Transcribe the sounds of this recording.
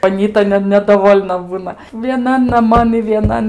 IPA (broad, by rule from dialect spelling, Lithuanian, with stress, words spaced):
ɐˈnʲiːtɐ nʲɛ nʲɛdɐˈʋoːlʲnɐ ˈbuːnɐ ʋʲiɛˈnɐn nɐˈmɐn ɪ ʋʲiɛˈnɐn